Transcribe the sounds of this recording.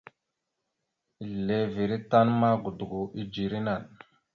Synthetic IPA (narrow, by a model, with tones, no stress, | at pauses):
i˨le˨vi˨ɾi˦ta˦nma˦ɡu˨du˨ɡu˨i˦d͡ʒi˨ɾi˦na˨n